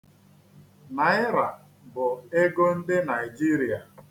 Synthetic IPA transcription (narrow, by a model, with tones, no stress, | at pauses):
na˨ɪ˦ɾa˨ | bʊ˨e˦ɡo˦n̩˦dɪ˦na˨i˨d͡ʒi˦ɾi˨a˨